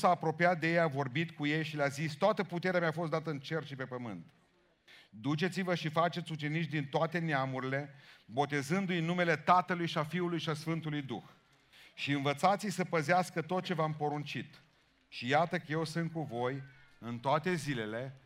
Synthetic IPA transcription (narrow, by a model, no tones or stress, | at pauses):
saːpɾo̞pijat̪̚d̪e̞jejavo̞rbit̪kuje̞jʃileazist̪oat̪əput̪e̞ɾeameafo̞s̬t̪d̪at̪əɨnt͡ʃe̞rʃipe̞pəmɨ̰nt̪ | d̪ut͡ʃe̞t̪sivəʃifat͡ʃe̞t̪sʲut͡ʃe̞nit͡ʃd̪int̪oat̪e̞neamuɾile̞bo̞t̪e̞zɨnd̪ujnːume̞le̞t̪at̪əlujʃiafiulujʃiasfɨnt̪ulujd̪ṵx | ʃiɨnvət̪sat̪sijsəpəzeaskət̪o̞t̪̚t͡ʃe̞vampo̞ɾunt͡ʃit̪ | ʃijat̪əkəje̞wsɨnt̪̚kuvo̞jɨnt̪oat̪e̞zile̞le̞